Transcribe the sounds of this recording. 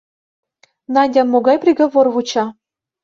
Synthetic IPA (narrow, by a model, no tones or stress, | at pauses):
nɑnʲdʲɑnmoɡɑjprʲiɡŏvorvut͡ɕɑ